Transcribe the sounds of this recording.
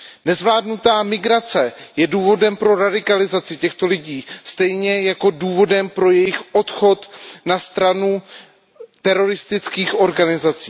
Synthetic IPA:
nɛzvlaːdnut̪aːmɪɡɾat͡sɛjɛduːvo̞dɛmpɾo̞ɾadɪkalɪzat͡sɪcɛxt̪o̞lɪɟiːst̪ɛjɲɛjako̞duːvo̞dɛmpɾo̞jɛjɪxʔo̞t̪xo̞t̪nast̪ɾanu | t̪ɛɾo̞ɾɪst̪ɪt͡skiːxʔo̞ɾɡanɪzat͡siː

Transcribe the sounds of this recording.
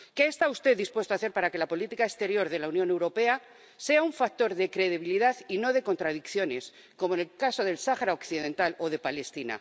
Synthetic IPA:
ke̞ːst̪aust̪e̞ðːispwet̪oaθe̞ɾpaɾake̞lapo̞lit̪ikaest̪e̞ɾjo̞ɾðe̞launjone̞wɾo̞pea | se̞auɱfak̚t̪o̞ɾðe̞kɾe̞ðiβ̞iliðaðino̞ð̞e̞ko̞nt̪ɾað̞ikθjo̞ne̞s | ko̞moenelkaso̞ð̞e̞lsaxaɾaokθiðẽ̞nt̪alo̞ðe̞pale̞st̪ina̰

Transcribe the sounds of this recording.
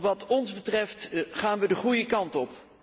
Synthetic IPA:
ʋɑtɔnzbətrɛftχaːnʋədəχujəkɑntɔp

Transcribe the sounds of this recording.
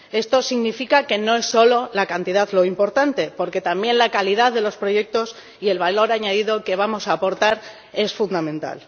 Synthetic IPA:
e̞st̪o̞siɣnifikake̞no̞e̞sːo̞lo̞lakant̪iðaðlo̞impo̞ɾt̪ant̪e̞po̞ɾke̞t̪ambje̞nlakaliðaððe̞lo̞spɾo̞ʝe̞k̚t̪o̞s | ie̞lβalo̞ɾaɲaðiðo̞ke̞β̞amo̞saːpo̞ɾt̪aɾ | e̞sfund̪amẽnt̪a̰l

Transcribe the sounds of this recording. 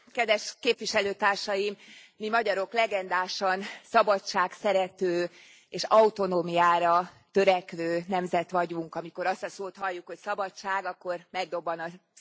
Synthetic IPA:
kɛd̪vɛʃkeːpvʋiʃɛløːt̪aːrʃɒjim | mimɒɟɒɾo̞klɛɡɛnd̪aːʃɒnsɒbɒt͡ʃaːksɛɾɛt̪øː | eːʃɒut̪o̞noːmijaːɾɒ | t̪øɾɛkʋøːnɛmzɛt̪ʋɒɟuŋkɒmiko̞ɾɒst̪ɒsoːt̪hɒlːukhocsɒbɒt͡ʃaːɡɒkːo̞rmɛɡ̚d̪o̞bːɒnɒ

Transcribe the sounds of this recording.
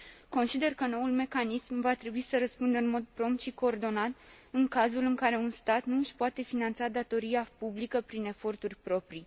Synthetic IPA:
ko̞nsid̪e̞rkəno̞ulme̞kanismvat̪ɾe̞buisəɾəspund̪əɨnmo̞d̪̚pɾo̞mpt̪ʃiko̞ːrd̪o̞nat̪ɨŋkazulɨŋkaɾe̞unst̪at̪nuʃpoat̪e̞finant̪sad̪at̪o̞ɾiapublikəpɾine̞fo̞rt̪urʲpɾo̞pɾi

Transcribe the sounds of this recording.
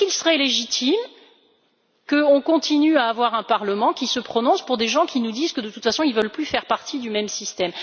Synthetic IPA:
ilsəʁɛleʒit̪ʰim | kəɔ̃kɔ̃t̪ʰinyaːvwaʁɛ̃paʁləmɑ̃kʲisəpχɔnɔ̃spuʁd̪eʒɑ̃kʲinud̪izkəd̪ət̪u̥t̪fasɔ̃ilvəlplyfɛʁpaʁt̪ʰid̪ymɛmsist̪ɛm

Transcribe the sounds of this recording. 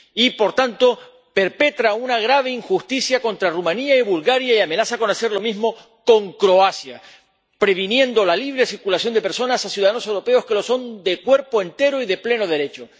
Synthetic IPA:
ipo̞ɾt̪ant̪o̞ | pe̞ɾpe̞t̪ɾaunaɣ̞ɾaβ̞eiŋxust̪isjakõ̞nt̪ɾarumãniaiβulɣaɾjaiame̞nasako̞nase̞ɾlo̞mizmo̞ | ko̞ŋkɾo̞asja | pɾe̞β̞injẽ̞nd̪o̞laliβ̞ɾesiɾkulasjo̞nd̪epe̞ɾso̞nasasjuðaðano̞se̞wɾo̞pe̞o̞ske̞lo̞so̞nd̪e̞kwe̞ɾpo̞e̞nt̪e̞ɾoiðe̞ple̞no̞ð̞e̞ɾe̞t͡ʃo̞

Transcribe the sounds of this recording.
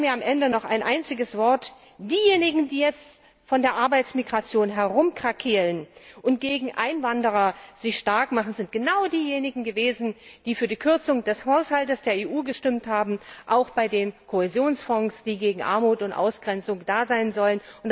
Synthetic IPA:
miːɐamʔɛndənɔχa̰ɪnʔaɪnt͡sɪɡəsv̥ɔɐt | d̥iːjeːnɪɡŋ̩diːjɛt͡st | fɔndeːɐʔaɐbaɪt͡smiɡʁat͡sjoːnɦɛɐʁʊmkʁ̥akʰiːʁənʔʊnt̚ɡ̥eːɡŋ̩ʔaɪnvandəʁ̞ɐz̥ɪçʃtaɐkmaχn̩zɪnt̚ɡ̥ənaʊdiːjeːnɪɡŋ̩ɡəveːzn̩d̥iːfyːɐdiːkʰʏɐt͡sʊŋd̥ɛshaʊshaltəsd̥eːɐeːʔuːɡəʃtɪmthaːbm̩ʔaʊxb̥aɪdeːnkʰoɛzjoːnsfɔŋsd̥iːɡeːɡŋ̩ʔa̰ɐmuːtʊntʔa̰ʊsɡ̥ʁɛnt͡sʊŋd̥aːzaɪnzɔlənʊnt

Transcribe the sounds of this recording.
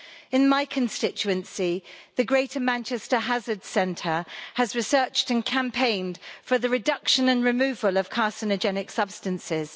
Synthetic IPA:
ɪ̃nmaɪkʰə̃nstɪt͡ʃʉə̃nsiðəɡɹeɪtʰəmãnt͡ʃɛstəɦazəd̥sɛ̃ntʰəəzɹɪsɜˑt͡ʃtə̃nkʰãmpʰẽɪ̃nd̥fəðəɹɪdʌkʃə̃nə̃nɹɪmʉːvələv̥kʰɑˑsənəd͡ʒɛnɪksʌb̥stə̃nsɪz̥

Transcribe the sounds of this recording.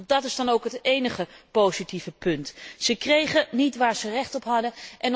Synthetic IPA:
dɑtɪzdɑnowkɦətejnəχəpowzitivəpɵntsəkrejχənitʋaːɹzərɛχtɔpɦɑdəʔɛn

